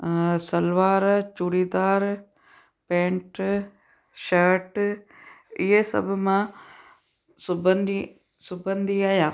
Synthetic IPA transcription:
sɐlʋaːɾt͡ʃuɽiːd̪aːɾ | pẽːɳʈ | ʃɐɾʈ | ɪɦesɐ̰bʱʊmã | sʊbənd̪i | sʊbə̃nd̪ʱiaːjaː

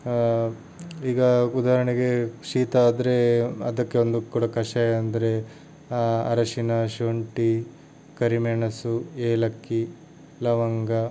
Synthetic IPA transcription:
iːɡɐud̪aːɾɐɳiɡe̞ʃiːt̪ɐaːd̪ɐɾeɐd̪ɐkːeond̪ukuːɽɐkɐʂɐjɐnd̪ɐɾe | ɐ̰ɾɐʃinɐʃoɳʈi | kɐɾimeːɳɐsueːlɐkːi | lɐʋɐŋɡɐ

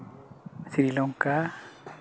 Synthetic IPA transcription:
siɾilɔŋka

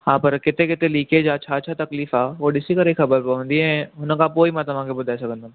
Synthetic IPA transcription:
hãːpɐɾkɪt̪ẽkɪt̪eliːked͡ʒaːtːʃʰatːʃʰat̪ɐkliːfaːʋoɖɪsikɐɾekxɐbəɾpɐɦnd̪iɦɛ̃ɦʊnãkaːpoːimãt̪ɐmãːkebʊd̪ɛːsɐɡə̃nd̪əm

